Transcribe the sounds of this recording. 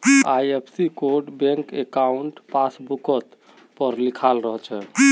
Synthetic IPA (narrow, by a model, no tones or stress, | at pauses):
ajepʰsikoɾɖbẽŋkekauɳʈpasbukət̪ | pəɾlikʰalɾəɦət͡ʃʰɛ